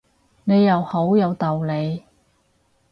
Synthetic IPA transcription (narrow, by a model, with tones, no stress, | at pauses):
ne˨˧jɐ˨who˨˥wjɐ˨˧wt̪ɐ˨wle˨˧j